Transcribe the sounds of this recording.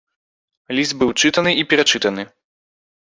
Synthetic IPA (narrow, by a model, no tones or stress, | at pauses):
lʲizd̪̚bɨwt͡ʂɨt̪ɐnɨipʲɛɾat͡ʂɨt̪ɐnɨ